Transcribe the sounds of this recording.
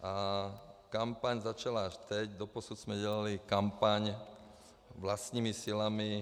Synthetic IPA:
ʔa | kampaɲzat͡ʃalaaʃt̪ɛɟd̪ɔpɔsud̪z̥mɛɟɛlalikampaɲ | ʋlast̪ɲiːmisilami

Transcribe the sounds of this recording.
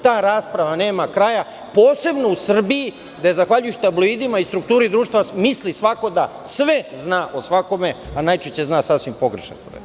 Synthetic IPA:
t̪aːɾaːspɾaʋane̞ːmakɾaja | po̞ːse̞bno̞usr̩biji | d̪aezaxʋaʎujeɕi̥t̪abloid̪imaist̪ɾukt̪uːɾid̪ɾuːʃt̪ʋamislisʋako̞d̪asʋeznaːʔosʋako̞me̞anajt͡ʃeɕt͡ɕeznaːsasʋimpo̞ɡɾeʃḛnsɾ̰

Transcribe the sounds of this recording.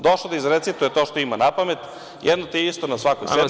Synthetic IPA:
d̪oʃlod̪aizɾet̪sit̪ujet̪oːʃt̪oimanapamet̪ | jʔɛd̪not̪iist̪onasʋakojse

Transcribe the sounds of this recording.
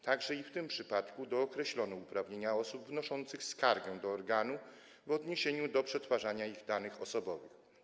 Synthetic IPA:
t̪aɡʐɛift̪ɘmpʂɘpat̪kud̪ɔːkɾɛɕlɔnɛupɾavɲeɲaɔsupvnɔʂɔnt̪sɘxskaɾɡɛw̃d̪ɔːɾɡanu | vɔd̪ɲeɕeɲud̪ɔpʂɛt̪faʐaɲaiɣd̪anɘxɔsɔbɔvɘx

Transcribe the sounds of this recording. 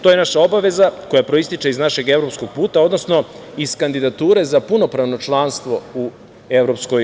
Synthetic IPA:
t̪o̞jenaʃao̞baʋe̞zako̞japɾo̞ist̪it͡ʃeiznaʃe̞ɡe̞vɾo̞psko̞ɡ̚puːt̪ao̞d̪no̞sno̞ | iskand̪id̪at̪uːɾe̞zapuno̞pɾaʋno̞t͡ʃlˠanst̪ʋo̞u | e̞ʋɾo̞psko̞j

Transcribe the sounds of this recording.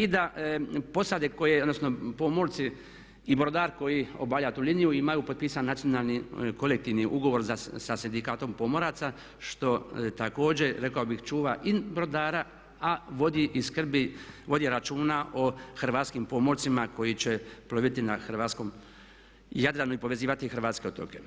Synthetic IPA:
id̪apo̞sad̪eko̞jeod̪no̞sno̞po̞moɾt̪siː | bɾod̪aːɾko̞jio̰baʋʎat̪uːlinijuimajupopiːsanːat̪sijo̞nalˠniko̞lek̚t̪iʋniʔuɡo̞ʋo̞ɾzasasind̪ikaːt̪o̞mpo̞moɾat̪sa | ʃt̪o̞t̪ako̞ːd͡ʑe̞ɾe̞kaobixt͡ʃuːʋaʔibɾod̪aːɾa | aʋod̪iʔiskr̩biʋo̞d̪iɾat͡ʃuːnaʔo̞xr̩ʋaːt̪skimpo̞moɾt̪simako̞jit͡ɕe̞ploʋit̪inaxr̩ʋaːt̪sko̞m | jad̪ɾanoipo̞ʋe̞ziːʋat̪ixr̩ʋaːt̪skeot̪o̰ke

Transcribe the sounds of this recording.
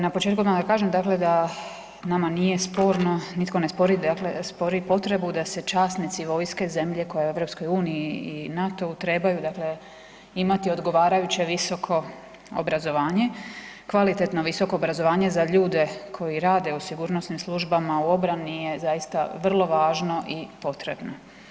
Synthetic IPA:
napot͡ʃet̪kumad̪akaːʒemd̪akle̞d̪a | namanije̞spo̞ːɾno̞nit̪ko̞nespo̞ɾid̪akle̞spo̞ɾipo̞t̪ɾe̞bud̪ase̞t͡ʃaːsnit̪siʋo̞jske̞ze̞mʎe̞ko̞jeue̞ʋɾo̞psko̞juːniiinat̪o̞ut̪ɾe̞bajud̪akle̞ | imat̪io̞d̪ɡo̞ʋaːɾajut͡ɕe̞ʋiso̞kʰo̞ | o̰bɾazo̞ʋaːɲe̞kʋalit̪et̪no̞ʋiso̞ko̞ːbɾazo̞ʋaːɲe̞zaʎuːd̪e̞kʰo̞jiɾaːd̪e̞usiɡuːɾnosnimslˠuʒbamauo̞bɾanije̞zajist̪a̰ʋr̩lˠo̞ʋaːʒno̞ʔipo̞t̪ɾe̞bno

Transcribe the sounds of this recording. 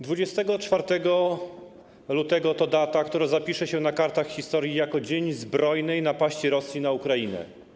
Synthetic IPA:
d̪vud͡ʑɛst̪ɛɡɔt͡ʂfaɾt̪ɛɡɔ | lut̪ɛɡɔt̪ɔd̪at̪akt̪uɾazapʲiʂɛɕɛnakaɾt̪axxʲist̪ɔɾjijakɔd͡ʑeɲzbɾɔjnɛjnapaɕt͡ɕiɾɔsʲjinaukɾajinɛ̰

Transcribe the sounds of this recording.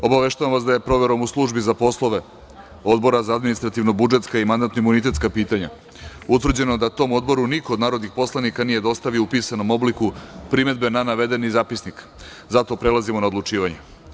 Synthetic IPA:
o̞baʋe̞ʃt̪aʋamʋasd̪aje̞pɾo̞ʋe̞ɾo̞muslˠuʒbizapo̞slˠo̞ʋe | o̞d̪bo̞ɾazaad̪minist̪ɾat̪iʋno̞bud͡ʒe̞t̪skaimand̪at̪noimunit̪e̞t̪skapiːt̪aɲa̰ | ut̪ʋr̩d͡ʑe̞noed̪at̪o̞mo̞d̪bo̞ɾuniko̞ːd̪naːɾod̪nixpo̞slˠanikanije̞d̪o̞st̪aʋioupiːsanomo̞blikupɾime̞d̪be̞nanaʋe̞d̪enizaːpisnik | zat̪o̞pɾelˠazimo̞naod̪lut͡ʂiːʋaɲe

